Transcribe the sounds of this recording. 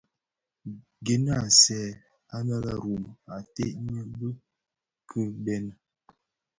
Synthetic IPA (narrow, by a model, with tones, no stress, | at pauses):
ɡe˨n˦a˨sɛː˨ | a˦na˦la˦ɾu˨ma˨te˦ʔɲə˦bə˦ | kʰə˦bɛ˦nə˨